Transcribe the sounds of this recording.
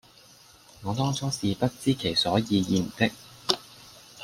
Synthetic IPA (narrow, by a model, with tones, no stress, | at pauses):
ŋɔː˨˧t̪ɔː˥ŋt͡sʰɔː˥siː˨pɐ˥t̚t͡siː˥kʰe˨˩jsɔː˨˥jiː˨˧jiː˧m̩˨˩t̪ɪ˥k̚